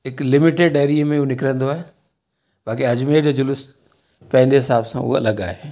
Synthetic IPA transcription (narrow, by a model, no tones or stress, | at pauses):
ɦɪklɪmɪʈeɖeːɾimẽunɪkɾə̃nd̪oaːɦe | baːk̬iɐd͡ʑmeːd͡ʑod͡ʑʊlʊs | pɐ̃ɦɪ̃ɲdeɦɪsaːbsã̰ʊ̰ɦa̰lɐɡaːɦe